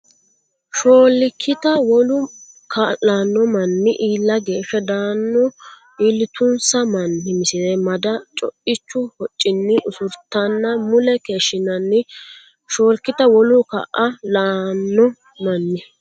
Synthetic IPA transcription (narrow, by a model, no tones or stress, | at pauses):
ʃoːlːɪkʰːɪt̪ɐwɔlʊ | kʰɐlaːnːɔmɐnːɪʔiːlːɐɡe̞ːʃɛd̪aːnːɔ | iːlːɪt̪ʰʊnsɐmɐnːɪmɪsɪnɛmɐd̪ɐt͡ʃʼɔ̰ʔɪt͡ʃːʊhɔt͡ʃʼːɪnːɪʔʊsʊɾt̪ɐnːɐmʊlɛkeːʃːɪnɐnːɪ | ʃo̞ːlkːɪt̪ɐwɔlʊkɐ̰ʔɐlaːnːɔ | mɐnːɪ